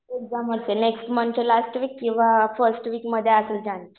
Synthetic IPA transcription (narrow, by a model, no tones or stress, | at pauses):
eɡ̚d͡zaməɾseneksʈmənt͡ɕelasʈʋiːkːĩw̃ʋafəɾsʈʋiːkməd̪ʱːjeəsəld͡ʑant͡ɕ